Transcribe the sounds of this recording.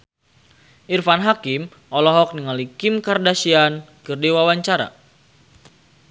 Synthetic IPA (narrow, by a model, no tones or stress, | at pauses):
ʔirfanɦakim | ʔɔlɔɦɔk̚niŋalikimkardasian | kɨrdiwawaɲt͡ʃaɾa̰